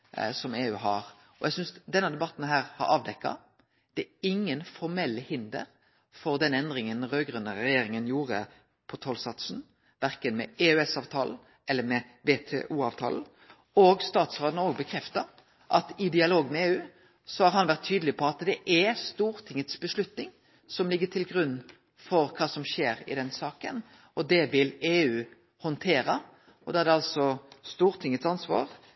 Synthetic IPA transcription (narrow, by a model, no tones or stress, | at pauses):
sɔmeːʉːɦɑɾ | ɔjʔɛɡsʏnsd̪ɛnːəd̪ɛbɑt̪ːn̩ɦæːɾhɑ̰ɾɑːʋd̪ɛkːɑ̰ | d̪̥ɛɪŋːənfɔɾmɛlːəhɪnd̪ə̰ɾ | fɔɾd̪ɛnɛnd̪ɾɪŋənɾøːɡʁʉnəɾɛjeːɾɪŋənjuːɾə̰ | pʰɔt̪ʰɔlsɑt̪sn̩ | ʋæɾkənmɛeːʉɛsɑːʋt̪ʰɑːln̩ | ɛlːəmɛ | ʋeːt̪ʰɛ̰ːʔuːɑːʋt̪ʰɑ̰ːln̩ | oːɡst̪ɑːt̪sʁoːd̪noːɡ̚bəkʰɾɛft̪əɾ | ʔɑt̪ɪd̪ɪɑloːɡmɛeːʉː | sɔhɑɾhɑnʋæʁt̪ʰːyːd̪əlɪpʰɔɑt̪d̪ɛʔæst̪uːɾt̪ʰɪŋːət̪sbəslʉt̪nɪŋ | sɔmlɪɡːət̪ʰɪlɡɾʉnː | fɔɾkʰɑːsɔmʃeːɾɪ̰d̪ɛnsɑːkən | ɔd̪ɛʋɪleːʉː | hɔnt̪ʰeːɾə | ɔd̪ɛːæd̪ɛɑlsɔst̪uːʁt̪ʰɪŋːət̪sɑnsʋɑ̰ːʁ